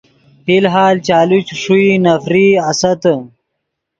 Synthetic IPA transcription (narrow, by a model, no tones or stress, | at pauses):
hilɦaːlt͡ɕaːlut͡ɕʂuinɐfɾiɐsɐt̪ə